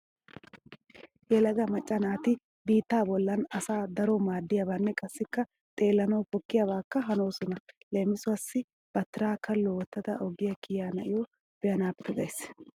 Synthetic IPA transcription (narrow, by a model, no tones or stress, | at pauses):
jɛlɐɡɐmɐt͡ʃʼːɐnaːt̪ɪ | biːt̪ːaːbɔlːɐnɐsaːd̪ɐɾomaːd̪ːɪjɐbaːnːɛkʼɐsːɪkːɐ | t̪ʼe̞ːlːɐnoːfɔkːɪjabaːkːɐɦɐnoːsɔnɐle̞ːmɪsʊɐsːɪ | b̥ɐt̪ːɪɾaːkɐlːɔwɔt̪ːɐt̪ɐ̰ʔɔɡɪjɐkɪjaːnɐʔɪjo | b̥ɛjɐnaːpːɛɡ̪ɐjs